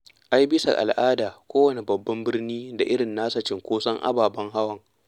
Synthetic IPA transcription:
ʔa˦jbɪ˦sa̰˨ʔa̰˨lʔaː˦daː˨kʷoː˦wɐ˨ne˨bɐ˨bːɐ˦mbɪ˦rniː˦da˨ʔɪ˦ɽɪ˨nːaː˦sɐ˨t͡ʃɪ˨ŋkʷoː˦sɐ˦ŋʔa̰˦baː˨bɐ˦ŋɦa˦wɐ˨ŋ

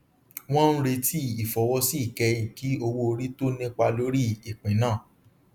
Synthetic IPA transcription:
w̃ɔ̃˦n̩˦ɾe˧tʰi˦i˨fɔ˨˦wɔ˦si˦i˦˨kɛ˧˦ĩ˨ki˨˦o˧wo˧o˧ɾi˦to˦nĩ˦k͡pa˧lo˨˦ɾi˦i˨k͡pĩ˨˦nãː˦˨

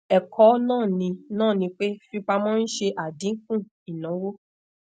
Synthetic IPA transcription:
ɛ˨kʰɔ˨˦nãː˦˨nĩ˧nãː˦˨nĩ˧k͡pe˦fi˦k͡pa˧mɔ̃˦n̩˦ʃe˧ʔa˨dĩ˨˦ŋ̩˦kũ˦˨ | i˨nã˨˦wo˦

